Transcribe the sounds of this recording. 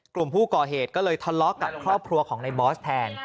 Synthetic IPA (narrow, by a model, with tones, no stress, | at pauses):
klu˨˩mpʰuː˥˩kɔː˨˩ɦeː˨˩t̪̚kɔː˥˩lɤː˧jt̪ʰɔ˧nlɔ˦˥ka˨˧kʰɾɔː˥˩p̚kʰɾu˧ɐkʰɔː˩˦ŋna˧jbɔː˦˥st̪ʰɛː˧n